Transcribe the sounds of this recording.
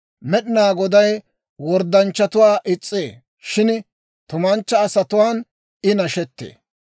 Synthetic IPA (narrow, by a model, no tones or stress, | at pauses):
mɛɗɪnaːɡɔd̪ɐj | wɔɾd̪ɐnt͡ʃːɐt̪ʊwaːʔɪt͡sʼːeː | ʃɪn | t̪ʊmɐnt͡ʃːɐːsɐt̪ʊwaːn | ɪnɐʃɛt̪ːḛː